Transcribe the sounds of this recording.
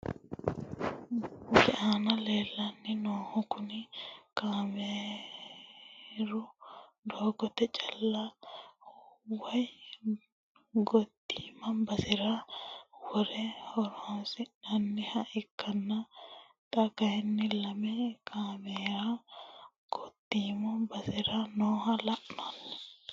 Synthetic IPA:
ɡɪʔaːnɐleːlːɐnːɪnoːhɔkʊnɪkaːme | ɾʊd̪oːɡɔt̪ɛt͡ʃʼɐlːa | wɐj | ɡɔt̪ːiːmɐmbɐsɪɾa | wɔɾɛhɔɾoːsɪnɐnːɪhɐʔɪkʰːɐnːɐ | t̪ʼɐkɐjɛnːɪlɐmɛkʰaːmeːɾa | ɡ̥ɔt̪ːiːmɐbɐsɪɾanoːhɐlɐʔnonːɛ̥

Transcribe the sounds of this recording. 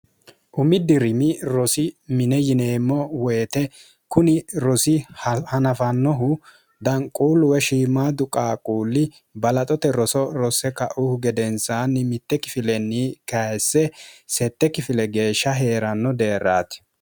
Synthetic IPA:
ʔʊmɪd̪ɪɾɪmɪɾɔsɪmɪnɛjɪne̞ːmːɔwɛːt̪ɛ | kʊnɪɾɔsɪhhɐnɐfɐnːɔɦʊ | d̪ɐŋkʼuːlːʊwɛʃiːmaːd̪ʊkʼaːkʼuːlːɪ | bɐlɐt̪ʼɔt̪ɛɾɔsɔɾɔsɛkɐ̰ʔʊhʊɡɛd̪ɛnsaːnːɪmɪt̪ːɛkɪfɪlɛnːikɐsːɛsɛt̪ːɛkɪfɪlɛɡe̞ːʃːɐɦe̞ːɾɐnːɔd̪e̞ːɾːaːt̪ɪ̥

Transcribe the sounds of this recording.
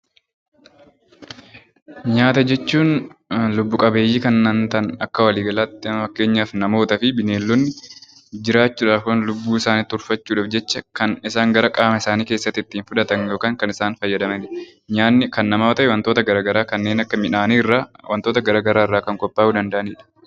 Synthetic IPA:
ɲaːt̪ɐd͡ʒɛt͡ʃːuːnlʊbːʊkʼɐbe̞ːjːiːkɐnːɐnt̪ɐnɐkːɐwɐliːɡɐlaːt̪ːɪɐmɐfɐkːe̞ːɲːaːfnɐmo̞ːt̪ɐfɪbɪneːlːɔnːɪ | d͡ʒɪɾaːt͡ʃːuːᶑaknlʊbːuːɪsaːnit̪ːʊɾfɐt͡ʃːuːᶑɐfd͡ʒɛt͡ʃːɐkɐnɪsaːŋɡɐɾɐkʼaːmɐɪsaːniːke̞ːsːɐt̪ːɪt̪ːiːnfʊᶑ̪ɐt̪ɐnjo̞ːkaːŋkɐnɪsaːnfɐjːɐd̪ɐmɐᶑɪ | ɲaːnːɪkɐnːɐmaːt̪ɐʔɛwɐnt̪oːt̪ɐɡɐɾaːɡɐɾaːkɐnːe̞ːnɐkːɐmɪᶑaːniːrːaːwɐnt̪oːt̪ɐɡɐɾaːɡɐɾaːɪrːaːkɐŋkʼɔpʼːaːjud̪ɐnd̪ɐʔɐniːᶑɐ̥

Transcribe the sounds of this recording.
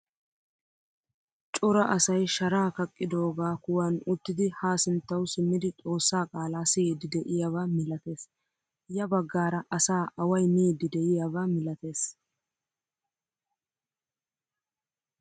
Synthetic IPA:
t͡ʃʼɔɾɐʔɐsɐjʃɐɾaːkɐkʼːɪd̪o̞ːɡaːkʊwɐnʊt̪ːɪd̪ɪhaːsɪnt̪ːɐwsɪmːɪd̪ɪt̪ʼo̞ːsːaːkʼaːlaːsiːd̪ɪd̪ɛʔɪjavaːmɪlɐt̪e̞ːs | jɐbɐɡːaːɾɐʔɐsaːʔɐwɐjmiːd̪ɪd̪ɛʔɪjavaːmɪlɐt̪e̞ːs

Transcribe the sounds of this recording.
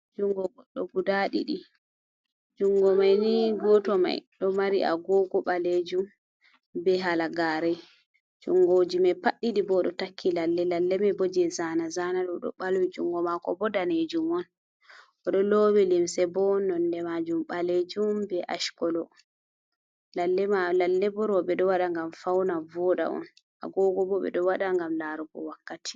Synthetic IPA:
d͡ʒuŋɡɔɡɔɗːɔ̰ɡudaɗḭɗi | d͡ʒuŋɡɔmajniɡɔtɔma̰jɗɔmaɾiʔa̰ɡɔɡɔɓaled͡ʒum | bɛɦalaɡaɾɛ | d͡ʒuŋɡod͡ʒimɛpaɗːiɗibɔɗɔtakʰːilalːɛlalːɛmɛbod͡ʒɛzaːnazanaɗɔɗɔ̰ɓalwid͡ʒuŋɡɔmakɔbɔdaned͡ʒumɔn | ʔɔɗɔlowilimsɛbɔnɔndɛmad͡ʒumɓaled͡ʒumbɛʔa̰ʃkɔlɔ | lalːɛalalːɛbɔɾɔɓɛɗɔwaɗaŋɡamfawnavɔɗa̰ʔɔ̰n | ʔa̰ɡɔɡɔbɔɓɛ̰ɗɔwaɗaŋɡamlaɾɔbɔ̰wakːatʰi̥

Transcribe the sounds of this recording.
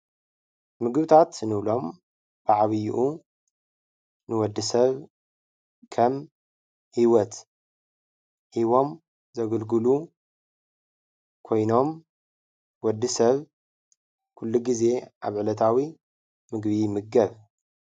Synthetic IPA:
mɨɡβɨt̪ʰat̪nɨβlo̞m | b̥ɨʕaβɨjuʔu | nɨwɔd̪ːɨsɐβ | kʰɐm | hiwɔt̪ | ʔiβo̞m | zɐɡɨlɡɨlu | kʰo̞jno̞m | wɔd̪ːɨsɐβ | kʰulːuɡize̞ʔaβʕɨlɐt̪ʰawi | mɨɡβimɨɡɐβ

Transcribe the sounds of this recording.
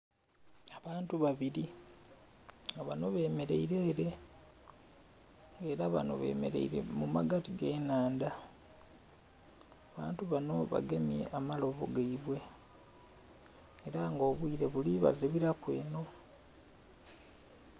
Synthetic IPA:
aβaːntuβaβiɾi | aβano̞βe̞ːme̞ɾe̞̰iɾe̞ːɾe̞ | ŋɡe̞ːɾaβa̰no̞̰βe̞̰ːme̞̰ɾe̞̰iɾe̞̰mumaɡatiɡe̞ːnaːnda | aβa̰ːntuβano̞βa̰ɡe̞mje̞̰ʔamalo̞βo̰ɡaiβwe̞ | ɾaŋɡo̞ːβwiːɾe̞βuliβa̰zeβiɾakwe̞̰ːno̞

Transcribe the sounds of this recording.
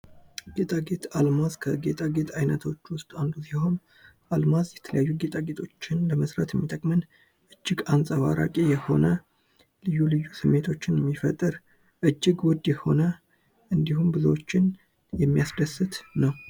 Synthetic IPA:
ɡe̞t̪ʼaɡe̞t̪ʰalmazkʰəɡe̞t̪ʼaɡe̞t̪ʰajnət̪ʰo̞t͡ʃːwʊst̪ʼand̪usihom | ʔalmazjɛt̪ʰələjajːuɡe̞t̪ʼaɡe̞t̪ʰo̞t͡ʃːɪnləməsɾa̰t̪jɛmːit̪ʼəkʼmɨn | ʔɨd͡ʒːɪɡansʼaβa̰ɾa̰kʼijɛho̞̰nə | lɨjːulɨjːusɨmːe̞t̪ʰo̞t͡ʃːɪnjɛmːifət̪ʼːɨɾ | ʔɨd͡ʒːɪɡwɔd̪jɛho̞̰nə | ʔɨnd̪ihumbɨzwot͡ʃːɪn | jɛmːijasd̪əsːɨt̪nəw

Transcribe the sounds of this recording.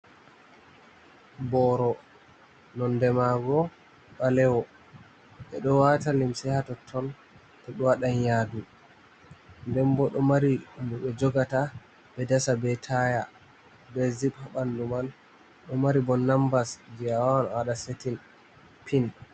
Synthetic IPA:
bɔɾɔ | nɔndɛmaɡɔ | ɓalɛwɔ | ɓɛ̰ɗɔwatalimsɛhatɔtʰːɔn | tɔɗɔwaɗanjadu | ndɛmbɔɗɔmaɾimuɓɛd͡ʒɔɡata | bɛdasabɛtʰaja | bɛziɓhaɓanduman | ɗɔmaɾibɔnːambasd͡ʒijawawanwaɗasetin | pʰin

